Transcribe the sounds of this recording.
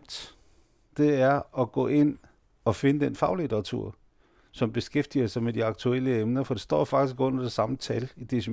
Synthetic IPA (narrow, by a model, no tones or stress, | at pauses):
d̥ | d̥e̝æɐɒ̽ɡ̥ɔ̰̽ːe̝n̰ | ɒ̽fe̝nəd̥enfɑ̈ʊlid̥ɐʁɑt͡sʰṵɐ̰ | sɒ̽mb̥e̝sɡ̥efd̥iɐsɑ̈ɪmed̥iɑ̈ɡ̥̚t͡sʰuel̰əemnɐfɒ̽d̥e̝sd̥ɒ̰ːfɑ̈ɡ̥d̥isɡ̥ɔ̽n̰ɐd̥e̝sɑ̈mət͡sʰælid̥es